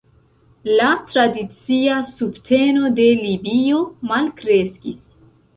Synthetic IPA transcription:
latɾadit͡siasubtʰe̞no̞de̞libio̞malkɾe̞skis

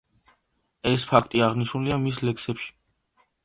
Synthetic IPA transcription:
ɛspʰakʰt̪ʼiaʁniʃnuliamislɛksɛpʃi̥

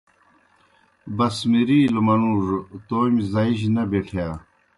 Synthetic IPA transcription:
bɐsmiɾiːlmɐnuːʐt̪oːmizɐiɕ̬nɐbeʈʰjaː

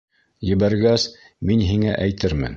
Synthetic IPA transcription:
jɘ̆βæɾɡæs | minɦiŋæʔæjt̪ɘɾmɘ̰n

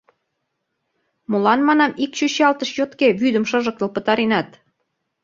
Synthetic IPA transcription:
molɑnmɑnɑmikɕyɕɑlt̪əʃjot̪keβyd̪əmʃɤ̆ʒə̆k̚t̪ə̆lpə̆t̪ɑɾenɑt̪

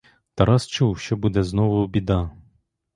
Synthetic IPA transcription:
t̪ɐɾɑst͡ʃuwʃt͡ʃɔbud̪ɛznɔʋʊbʲid̪ɑ

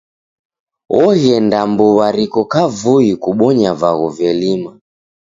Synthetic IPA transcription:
wʔɔɣɛndambuβaɾikɔkavuikuɓɔɲavaɣɔvɛlima

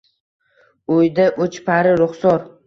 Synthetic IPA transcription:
ojd̪aʔot͡ʃpʰaɾɪɾʊχsɒɾ

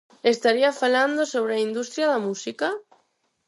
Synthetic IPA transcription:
est̪aɾiafaland̪osoβ̞ɾeaind̪ust̪ɾjaðamusika

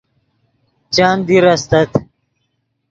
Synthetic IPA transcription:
t͡ɕaːnd̪iɾɐst̪ɐt̪ʰ

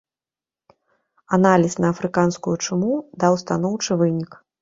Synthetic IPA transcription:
analʲisnɐːfɾɨkanskujut͡ʂɨmud̪awst̪an̪ɔwt͡ʂɨvɨnʲik

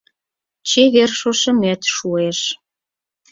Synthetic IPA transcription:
t͡ɕeɣerʃoʃə̆met̪ʃueʃ

